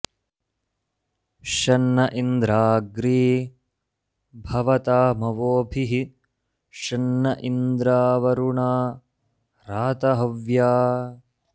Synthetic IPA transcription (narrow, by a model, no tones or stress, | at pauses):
ʃɐnːɐʔind̪ɾaːɡɾiː | bʱɐʋɐt̪aːmɐʋoːbʱiɦi | ʃɐnːɐʔind̪ɾaːʋɐɾuɳaː | ɾaːt̪ɐɦɐʋjaː